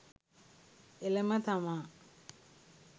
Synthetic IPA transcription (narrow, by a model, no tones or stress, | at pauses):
elemɐt̪ʰama